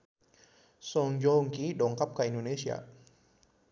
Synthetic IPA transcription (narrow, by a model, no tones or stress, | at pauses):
soŋjoːŋkiːdoːŋkʰap̚kʰaʔndoːneːsiɐ̰